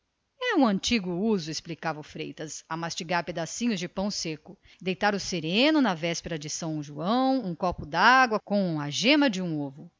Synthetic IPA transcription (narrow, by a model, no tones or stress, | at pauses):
ɛũɐ̃nt͡ʃiɡʊuzʊesplikavɐʊfɾḛjt̪ɐsamast͡ʃiɡaɾped̪asĩɲʊzd͡ʒɪpɐ̃w̃sekʊ | d̪ejt̪aɾʊseɾẽnʊnɐvɛspeɾɐd͡ʒɪsɐ̃w̃ʒuɐ̃w̃ũkɔpʊd̪aɡwɐkõw̃ɐʒẽmɐd͡ʒɪũovʊ